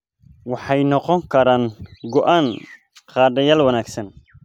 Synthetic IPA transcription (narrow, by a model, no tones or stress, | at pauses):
wɑħɑjnɔqɔŋkʰɐɾaːŋɡɔʔaːn | qɑːd̪ɐjaːlwɐnaːɡsɐn